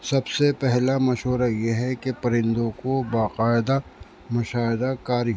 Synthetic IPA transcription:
sɐbsepɛɦlamɐʃɦoːɾajeɦɛkepɐɾɪ̃nd̪õkobaːqaːɪd̪a | mʊʃaːɪd̪akaːɾi

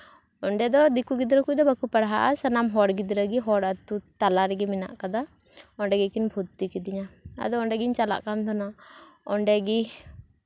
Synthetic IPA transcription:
ɔɳɖɛd̪ɔd̪ikuɡid̪ɾɔkud̪ɔbakupaɽɦaʔasanamɦɔɽɡid̪ɾəɡiɦɔɽat̪ut̪alaɾɛɡɛmɛna̰ʔkad̪a | ɔɳɖɛɡɛkinbʱut̪ːikɛd̪iɲaa̰d̪ɔɔɳɖɛɡiɲt͡ʃala̰ʔkant̪ʰɔnaɔɳɖɛɡi

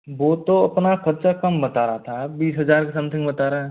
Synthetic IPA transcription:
ʋot̪oɐpnakʰɐɾt͡ʃakɐmbɐt̪aːɾat̪ʰabiːsɦɐzaːɾkesɐ̃mt̪ʰɪ̃ŋɡbɐt̪aːɾa

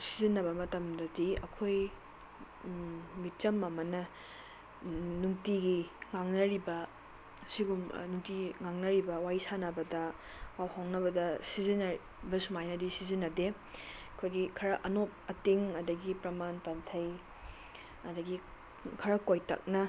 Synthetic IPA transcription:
sizinːɐbɐmɐtɐmdɐdiɐ̰kʰoj | mit͡ʃɐmɐmɐnɐ | nuŋtiɡiŋaŋnɐɾibɐ | siɡum̰nuŋtiŋaŋnɐɾibɐwajsanɐbɐdɐ | wawhawŋnɐβɐdɐsizinɐ | bɐsumajnɐdisizinːɐde | ɐkʰojɡikʰɐɾɐʔɐnop̚ɐteŋɐdɐɡipɾɐmanpɐntʰɐj | ɐdɐɡi | kʰɐɾɐkojtɐ̰k̚nɐ

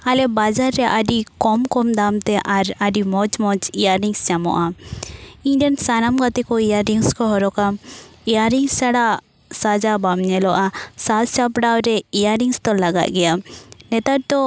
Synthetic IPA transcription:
alɛbad͡ʒaɾːɛʔaɖikɔmkɔmd̪amt̪ɛʔaɾaɖimɔt͡ʃmɔt͡ʃijaɾiŋsd͡ʒamɔ̰ʔa | iɲɖansanamkat̪ɛkɔijaɾiŋskɔɦɔɾɔkamijaɾiŋsaɽa | sad͡ʒabamɲɛlɔʔasalsapɖawɾɛijaɾiŋst̪ɔlaɡa̰ʔ̪̚ɡɛjanɛt̪aɾ̚t̪ɔ

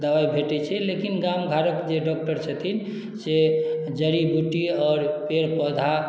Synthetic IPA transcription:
d̪əwajbʱeʈɛt͡ʃʰɛlekinɡamɡʱaɾəkd͡ʒeɖɔk̚ʈəɾt͡ʃʰət̪ʰin | se | d͡ʒəɾibuʈiɔːɾpeɾpɔd̪ʱa

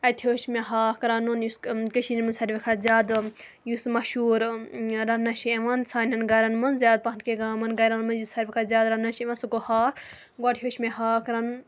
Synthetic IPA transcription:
ɐt̪ʲʰoːʃmeɦaːkɾɐnunjuskəʃinimɐnsɐɾʋʲikʰazʲjaːd̪ | jusmɐʃuːɾɾɐnɐʃieʋɐnt͡sʰaːnʲɐnɡɐɾɐnmɐnzjaːd̪̚pɐnkeɡaːmɐnɡɐɾanmɐnjusɐɾʲʋikʰazʲaːd̪ɾɐnɐʃeʋɐnsuɡohaːɾ | ɡaʈʰjoːʃmeɦaːkɾɐnun

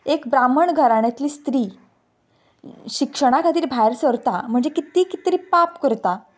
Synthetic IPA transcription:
ekbɾaməɳɡʱəɾaɽat̪liːst̪ɾiː | ɕikʂəɽ̃akʰat̪iːɾbʱajɾsəɾt̪am̤əɳd͡zekit̪iːkit̪ɾiːpapkəɾt̪a

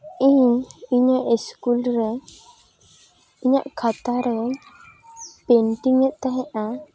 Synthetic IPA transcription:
iɲiɲaʔiskulɾɛ | iɲa̰ʔkʰat̪aɾɛ | peɳʈiŋɛʔ̪̚t̪aɦɛ̃ʔa

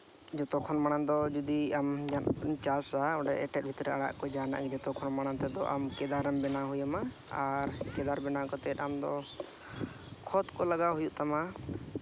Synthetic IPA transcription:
d͡ʒɔt̪ɔkʰɔnmaɽ̃and̪ɔd͡ʒud̪iamd͡ʒat͡ʃasaɔɖɛʔɛʈɛt̪̚bʱit̪ɾɛaɽa̰ʔkɔd͡ʒana̰ʔɡɛd͡ʒɔt̪ɔkʰɔnmaɽ̃ant̪ɛd̪ɔʔa̰mkɛd̪aɾəmbɛnaɦujama | aɾkɛd̪aɾbɛnakɔt̪ɛt̪amd̪ɔ | kʰɔt̪kɔlaɡaɦujuʔt̪ama

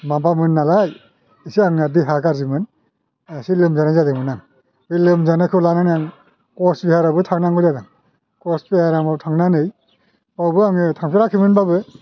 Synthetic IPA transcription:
mabamɯnːalaj | isiaŋnadiɦaɡaɾzimɯn | asilɯmzanajzadɯŋmɯnaŋ | bɯlɯmzanakʰɯwlananjaŋ | kɔsbihaɾabɯtʰaŋnaŋɡɯzadaŋ | kɔspeaɾaŋbabtʰaŋnanɯj | pawbɯaŋɯtʰaŋpʰeɾakʰɯmɯnbabɯ

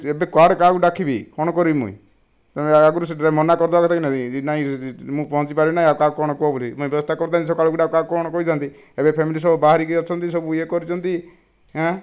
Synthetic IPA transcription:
ebekaɖkakuɖakʰibikɔ̃ɔkɔɾibimṵ̃ḭ̃ | t̪ɔaɡuɾus̬eɾamɔnakɔɾd̪bakɔt̪ʰakinat̪inaĩmũpɔɦɔ̃t͡ʃipaɾibinaĩakakɔɽ̃ɔkuɔbolimũibjɔbɔst̪ʰakɔɾt̪̬ãis̬ɔkaɭɔkuɖakkakɔɽ̃ɔkɔid͡ʒʱant̪i | ebepʰemilis̬ɔbɔbaɦaɾikiɔt͡ʃʰɔnt̪is̬ɔbuekɔɾit͡ʃʰɔnt̪i | ɦɛ

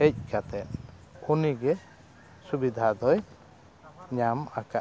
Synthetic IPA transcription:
ɛc̚kat̪ɛʔ̪ | uniɡɛ | subid̪ʱad̪ɔj | ɲamakaʔ

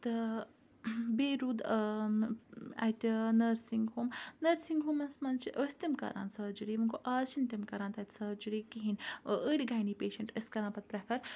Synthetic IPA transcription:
t̪ɨ | beːɾuːd̪ | ɐ̰jt̪ʲnɐɾsiŋɡɦoːmnɐɾsiŋɡɦuːmɐsmɐnt͡ʃiʔəsʲt̪imkɐ̰ɾʔa̰ːnsɐd͡ʒuɾiːmɐŋkʰoʔaːt͡ʃʰint̪imkɐɾãːnt̪ɐt̪ʲsɐd͡ʒuɾiːkiɦinəɽʲiɡaːjniːpeːʃɐɳʈəskɐɾãːpɐt̪̚pɾɐkʰɐɾ

